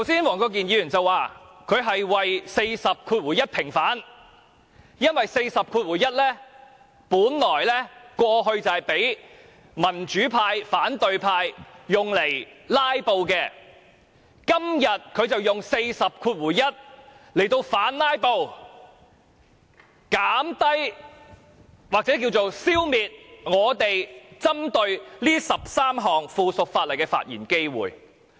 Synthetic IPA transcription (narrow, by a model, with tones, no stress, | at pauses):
t̪ʰɐ˨˩wsiː˥nwɔː˨˩ŋkɔː˧k̬iː˨njiː˧yː˨˩nt͡sɐ˨˧wːaː˨ | kʰɵ˨˧ɥɦɐ˨jwɐ˨jse˧jsɐ˨p̚kʰuː˧t̚wuː˨˩jɐ˥t̚pʰɪ˨˩ŋfaː˨˥n | jɐ˥nwɐ˨jse˧jsɐ˨p̚kʰuː˧t̚wuː˨˩jɐ˥t̚lɛː˥ | puː˨˥nlɔː˨˩jlɛː˥kwɔː˧ɦɵ˧ɥt͡sɐ˨whɐ˨˩jpe˨˥j | mɐ˨˩nt͡ʃyː˨˥pʰaː˧jfaː˨˥nt̪ɵ˨ɥpʰaː˧jːʊ˨ŋle˨˩jlaː˥jpo˧wkɛː˧ | kɐ˥mjɐ˨t̚kʰɵ˨˧ɥt͡sɐ˨wjʊ˨ŋse˧jsɐ˨p̚kʰuː˧t̚wuː˨˩jjɐ˥t̚le˨˩jt̪o˧wfaː˨˥nlaː˥jpo˧w | kaː˨˥mt̪ɐ˥j | waː˨k̚t͡sɛ˨˥k̬iː˧wt͡so˨wsiː˥wmiː˨t̚ŋɔː˨˧t̪e˨jt͡sɐ˥mt̪ɵ˧ɥliː˥sɐ˨p̚saː˥mɦɔː˨ŋfuː˧sʊ˨k̚faː˧t̚lɐ˨˩jkɛː˧fa̰ː˧t̚jiː˨˩nke˥jwṵː˨˩j